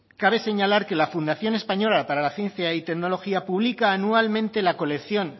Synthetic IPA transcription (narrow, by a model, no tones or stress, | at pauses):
kaβ̞e̞se̞ɲalaɾke̞lafund̪aθjo̞ne̞spaɲo̞lapaɾalaθje̞n̟θjait̪e̞kno̞lo̞xiapuβ̞likaːnualmẽ̞nt̪e̞lako̞le̞kθjo̞ŋ